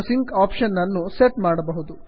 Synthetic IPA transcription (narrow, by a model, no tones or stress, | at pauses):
siŋkaːpʃɐnːɐnːuseʈmaːɽɐbɐɦud̪u